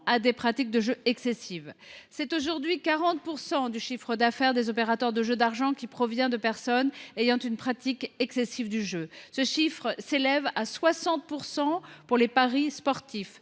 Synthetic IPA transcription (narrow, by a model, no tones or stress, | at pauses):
ad̪epχat̪ik̚d̪əʒøɛksesivsɛt̪oʒuʁd̪ɥikaʁɑ̃t̪̚puʁsɑ̃d̪yʃifχəd̪afɛʁd̪ezɔpeʁat̪œʁd̪əʒød̪aʁʒɑ̃kʲipχɔvjɛ̃d̪əpɛʁsɔnejɑ̃t̪ynpχat̪ikɛksesivd̪yʒøsəʃifχselɛvaswasɑ̃t̪̚puʁsɑ̃puʁlepaʁispɔʁt̪if